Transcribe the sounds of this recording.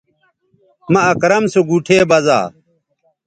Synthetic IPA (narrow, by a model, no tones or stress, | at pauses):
mɐɐkɾɐmsoɡuːʈʰeːbɐza̰ː